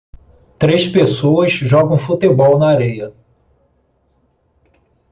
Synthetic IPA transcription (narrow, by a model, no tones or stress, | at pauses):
t̪ɾespesoɐsʒɔɡɐ̃w̃fut̪ebɔwnɐaɾejɐ